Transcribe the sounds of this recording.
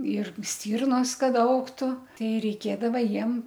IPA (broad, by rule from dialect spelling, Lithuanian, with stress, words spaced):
ɪr ˈsʲtʲiːrnoːs ˈkɐt ˈɐʊktʊ ˈtʲɛɪ rʲɛɪˈkʲeːdɐʋɐ ˈjiɛm